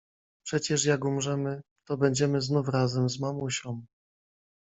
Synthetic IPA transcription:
pʂɛt͡ɕɛʂjaɡumʐɛmɘ | t̪ɔbɛɲd͡ʑɛmɘznufɾazɛmzmamuɕɔ̃w̃

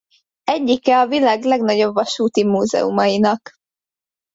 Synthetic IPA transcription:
ɛɟːikɛɒvilaːɡlɛɡnɒɟo̞bʋɒʃuːt̪imuːzɛ̰ṵmɒjinɒk

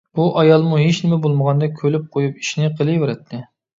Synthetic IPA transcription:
b̥uʔɑjɑlˠmuɦet͡ʃnɪmɛbolˠməʁɑnd̪ɑkʲʰølyp̚qʰojup̚i̥ʃinɪqʰəlˠɨjweɾɛt̪ʰːɪ

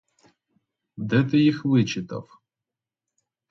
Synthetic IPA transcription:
d̪ɛt̪ɪjixʋɪt͡ʃɪt̪ɐ̰w

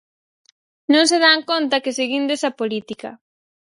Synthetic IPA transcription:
nõŋseðaŋkont̪ɐkɪseɣind̪ʊesɐpolit̪ikɐ̰

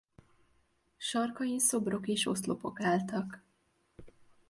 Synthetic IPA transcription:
ʃɒrkɒjinso̞bro̞keːʃo̞̰slo̞po̞kaːlt̪ɒk

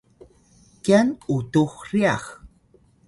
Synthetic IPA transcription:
kianutuxria̰x

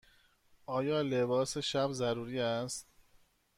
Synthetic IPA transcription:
ʔɒːjɒːle̞bɒːseʃæbzæɾuːɾiːæst̪̚

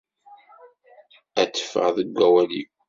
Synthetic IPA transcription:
æt͡sːə̥fə̰ʁðəɡʷːæwæniɡʷ

